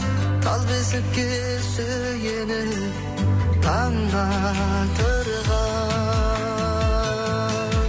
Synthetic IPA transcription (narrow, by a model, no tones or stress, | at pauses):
t̪ʰɑlˠbesɪp̚kʲe | sø | ɡʲenɪ | t̪ʰɑŋʁɑ | t̪ʰɵɾəʁɑ